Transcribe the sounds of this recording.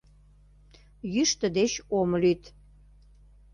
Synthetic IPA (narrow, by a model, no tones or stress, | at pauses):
jyʃt̪əd̪et͡ɕomlyt̪